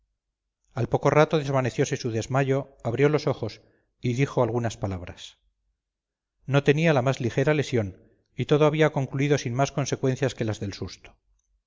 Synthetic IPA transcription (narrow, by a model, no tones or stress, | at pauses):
alpo̞ko̞rat̪o̞ðe̞zβane̞θjo̞se̞suðe̞zmaʎo̞aβɾjo̞lo̞so̞xo̞s | iðixo̞alɣunaspalaβ̞ɾas | no̞t̪e̞nialamazlixe̞ɾale̞sjo̞n | it̪o̞ðoaβ̞iako̞ŋkluiðo̞sinmasko̞nse̞kwe̞n̟θjaske̞lazðe̞lsust̪o̥